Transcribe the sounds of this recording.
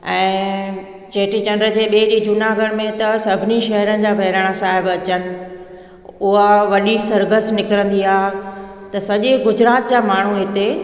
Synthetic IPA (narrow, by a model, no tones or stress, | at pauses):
ɛ̃ː | d͡ʑeːʈid͡ʑɐ̃nɖɾəd͡ʑeːɓieɗid͡ʑunaɡʱəɽmẽt̪ɐsɐbʱɪniʃɐɦəɾənɪ̆d͡ʑaːbʱɐɦɪɾəɽ̃asaːɦɪbɐt͡ɕənɪ̆ | ʊɦaʋɐɗisɐɾɡəsnɪkɾə̃nd̪iaːɦ | t̪ɐsɐʄeɡʊd͡ʑɾaːt̪d͡ʑaːmaːɳ̤uɦɪt̪e